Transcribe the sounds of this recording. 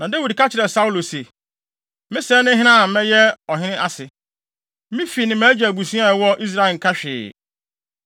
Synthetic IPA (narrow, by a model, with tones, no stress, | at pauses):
nã˨da˦wi˨dka˦t͡ɕʰɪ˨ɾɛ˨sa˦u˦lo˨se˨ | mɪ̃˦sɛː˦nɪ̃˦ɦɪ̃˦nã˦˨˦mɛ̃˦jɛ˦ɔ˨ɦɪ̃˦nɪ̃˦ʔa˦sɪ˨ | mɪ̃˦fi˨nɪ̃˨mæ̃ː˦d͡ʑɛ˨ɡu˨sũ˦a˦˨wɔ˦ʔi˦s̬ɾa˦ɪ˨ŋ̩˨kʰa˦ɕᶣɪ̰ː˨